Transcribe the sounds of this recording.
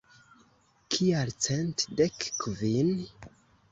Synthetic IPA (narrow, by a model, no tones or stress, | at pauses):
kʰialt͡sentdekkvin